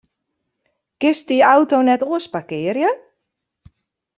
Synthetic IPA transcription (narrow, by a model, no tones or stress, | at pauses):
ɡ̥ɪsdiawtonɛtoəspakɪərjə